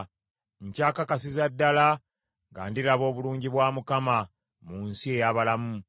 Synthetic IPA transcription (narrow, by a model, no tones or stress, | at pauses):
ɲcaːkakasizadːala | ŋɡa̰ːndiɾaβo̞ːβuluːɲɟiβwaːmukama | munsie̞jaːβalamu